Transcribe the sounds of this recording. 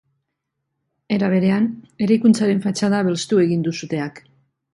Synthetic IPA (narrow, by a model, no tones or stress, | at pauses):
e̞ɾaβ̞e̞ɾe̞ane̞ɾajkunt͡saɾe̞ɱfat͡ʃaðaβe̞lst̪ue̞ɣind̪usut̪e̞ak